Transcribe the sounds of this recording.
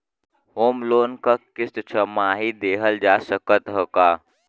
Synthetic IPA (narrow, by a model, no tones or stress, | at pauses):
hoːmloːnkəkɪst̪t͡ʃʰəmaːɦid̪eːɦəld͡ʒaːsəkət̪ɦəkaː